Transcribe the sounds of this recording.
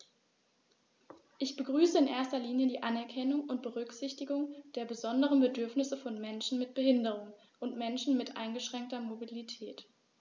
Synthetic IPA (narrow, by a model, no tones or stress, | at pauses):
ʔɪçb̥əɡʁyːsəɪnʔeːɐstɐliːnjədiːʔanɛɐkʰɛnʊŋʊnt̚b̥əʁʏkz̥ɪçtɪɡʊŋd̥eːɐbəzɔndəʁ̞ənbədʏɐfnɪsəfɔnmɛnʃn̩mɪt̚b̥əhɪndəʁ̞ʊŋ | ʔʊntmɛnʃn̩mɪtʔa̰ɪnɡəʃʁ̥ɛŋk̚tɐmobilitʰɛːt